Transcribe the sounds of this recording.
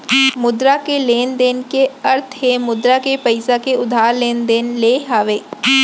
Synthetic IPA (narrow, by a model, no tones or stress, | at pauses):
mʊd̪ɾakeleːnd̪eːnkeɐɾt̪ʰɦemʊd̪ɾakepɐɪsakeʊd̪ʱaːɾleːnd̪eːnleːɦaːʋeː